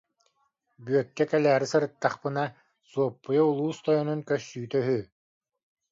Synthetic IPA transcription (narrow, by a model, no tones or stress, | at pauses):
byœkːɛkɛlæːɾisɯɾɯt̪ːaχpɯna | suɔpːujɔulˠuːst̪ɔjɔnunkœsːyːt̪œɦyː